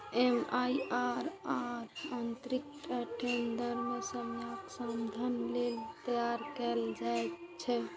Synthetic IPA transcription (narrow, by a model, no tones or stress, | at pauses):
emaiaɾaɾant̪ɾik̚ʈʰaʈend̪əɾmesəmjaksəmd̪ʱənlelt̪əjaɾkɛld͡ʒajt̪t͡ʃʰɛ